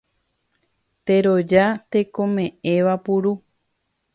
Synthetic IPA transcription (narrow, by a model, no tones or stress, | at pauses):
t̪e̞ɾod͡ʒat̪e̞kõ̞mẽ̞ẽ̞ʋapuɾu